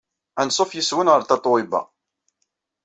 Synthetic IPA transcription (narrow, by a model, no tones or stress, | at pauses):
ænsˤofjəswənʁəɾt̪ɑt̪ˤoɪbæ̰